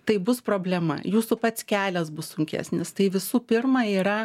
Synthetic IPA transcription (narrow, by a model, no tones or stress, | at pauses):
t̪ɐɪbʊspɾoːbʲlʲɛmɐ̰juːsʊpɐt̪ʲsʲkʲæːlʲɛsbʊssʊŋʲkʲæ̰ːsʲnʲɪst̪ɐɪʋʲɪsuːpʲɪrmɑiːɾɐ